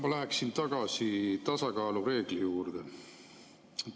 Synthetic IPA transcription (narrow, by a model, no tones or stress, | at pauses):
mɑlæɦæksint̪ɑɡ̥ɑsit̪ɑsɑkɑːluɾe̞ːɡ̥lijuːrd̪̥e